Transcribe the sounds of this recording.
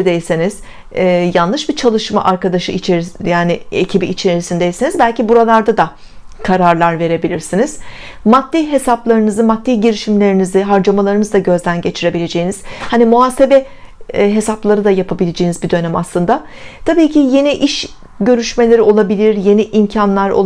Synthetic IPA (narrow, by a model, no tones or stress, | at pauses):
d̪ejsiniz̥ | ɛːjanlˠɯʃbit͡ʃʰalˠɯʃma̰ʔaɾkad̪aʃɯit͡ʃʰejaːniḛcʰibiːt͡ʃʰe̞ɾisind̪e̞jsinizbælʲcibuɾalˠaɾd̪ad̪a | kʰaɾaɾlˠaɾve̞ɾe̞bilʲiɾsiniz̥ | mat̪ːiɦe̞saplˠaɾɯnɯzɯmat̪ːiɟiɾiʃimlʲe̞ɾinizɪɦaɾd͡ʒamalˠaɾɯnɯzd̪aɟø̞zd̪ænɟe̞t͡ʃʰiɾe̞bilʲe̞d͡ʒejiniz̥hanimuaːse̞bɛ | ɦe̞saplˠaɾɯd̪ajapʰabilʲed͡ʒejnizbid̪ø̞næma̰slˠɯnd̪a | t̪ʰabiːcʰije̞niʔiʃ | ɟø̞ɾyʃme̞lʲeɾio̞lˠabilʲiɾje̞niʔimcʰanlˠaɾo̰